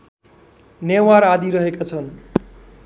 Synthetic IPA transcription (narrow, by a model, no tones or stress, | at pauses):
newaɾad̪ʱiɾʌɦekat͡sʰʌn